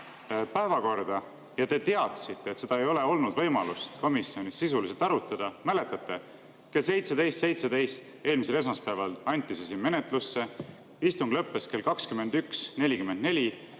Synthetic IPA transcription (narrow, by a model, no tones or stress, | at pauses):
pæevɑko̞rd̪̥ɑ | jɑt̪e̞t̪eɑt̪sit̪ːe̞ːt̪se̞d̪ɑe̞jo̞le̞o̞lnud̪vɤ̞jmɑlust̪ko̞misːio̞nʲisːisulise̞lt̪ɑɾut̪ːˑɑd̪̥ɑmæle̞t̪ːˑɑt̪ːe̞ | ke̞ls̬e̞jt̪se̞d̪e̞jst̪se̞jt̪se̞d̪e̞jst̪e̞ːlmis̬e̞le̞s̬mɑspæevɑlɑnʲt̪ʲːˑisesinme̞ne̞t̪ˑlusːe̞ | ist̪uŋɡ̥lɤpːˑe̞ske̞lkɑkskymːe̞nd̪yksnelʲikymːend̪̥ne̞lʲi